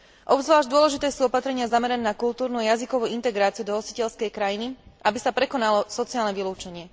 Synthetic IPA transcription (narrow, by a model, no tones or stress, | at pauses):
ʔɔbzʋlaːʒd̪ʊɔlɛʒit̪ɛːsuːɔpat̪ɾɛɲɪazamɛɾɛnɛːnakult̪uːɾnuajazikɔʋuːint̪ɛɡɾaːt͡siɪud̪ɔɦɔsicɛlskɛjkɾajiniabisapɾɛkɔnalɔsɔt͡siaːlnɛʋiluːt͡ʃɛɲɪɛ